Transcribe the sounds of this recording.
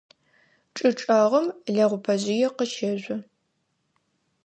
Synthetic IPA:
ʈ͡ʂʼɨʈ͡ʂʼɐʁəmɮɐʁʷʊpʰɐʑɪjɛqəʃeʑʷɐ

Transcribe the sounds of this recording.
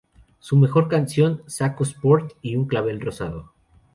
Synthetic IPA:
sume̞xo̞ɾkansjo̞nsakospo̞ɾt̪iuŋklaβ̞e̞lro̞sa̰ðo̰

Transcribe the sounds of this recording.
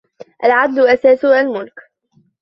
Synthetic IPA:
ʔalʕad̪lʊʔasaːsʊalmʊlk

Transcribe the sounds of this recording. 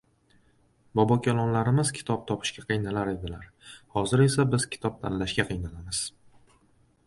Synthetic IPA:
bɒbɒkʲʰalˠɒnlaɾɪmɪz̥kʲʰɪ̥t̪ʰɒp̚t̪ʰɒpʰɪ̥ʃkʲaqʰɨjnalaɾe̞d̪ɪlaɾ | hɒzɪɾe̞sabɪzkʲʰɪ̥t̪ʰɒp̚t̪ʰa̰nlaʃɡʲaqʰɨjnalamɪz̥

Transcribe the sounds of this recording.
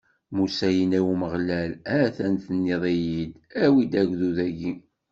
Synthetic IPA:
musæjənæwməʁlælæθænθənːiðˤijid̪æwid̪æʝʷðuðæɡi

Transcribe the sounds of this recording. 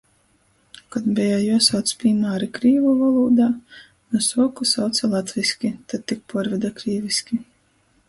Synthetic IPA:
kad̪bʲɛjajuɔsawt̪spʲiːmaːɾikɾiːvuvalˠuːd̪aː | nusuɔkusawt̪sʲɛlˠat̪vʲisʲkʲit̪at̪̚t̪ːik̚pɔɾvʲɛd̪akɾiːvisʲkʲi

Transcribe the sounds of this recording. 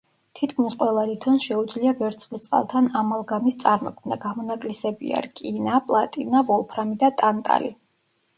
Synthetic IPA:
t̪ʰit̪ʰkʰmisqʼwɛlˠad̪it̪ʰɔnʃɛud̪zliavɛɾt̪sʰχvist̪sʼa̰lˠt̪ʰanamalˠɡamist̪sʼaɾmɔ̰kʰmna̰ɡamɔnakʼlisɛbḭa̰ɾkʼinapʼlˠat̪ʼinavɔlˠpʰɾamid̪at̪ʼant̪ʼa̰lḭ

